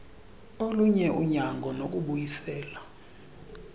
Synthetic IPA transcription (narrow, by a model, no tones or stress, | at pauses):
oluɲɛʔuɲaŋɡʱɔnok̬ʼuɓujisɛːla